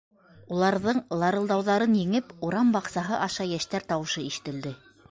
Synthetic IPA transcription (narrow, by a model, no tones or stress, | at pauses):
ulˠɑɾðɤɴlˠɑɾɤ̆lˠd̪ɑwðɑɾɤnjɘ̆ŋɘpuɾɑmbɑqsɑɦɤʔɑʃɑjæʃt̪æɾt̪ɑwɤ̆ʃɤiʃɘ̆t̪ɘ̆ld̪ɘ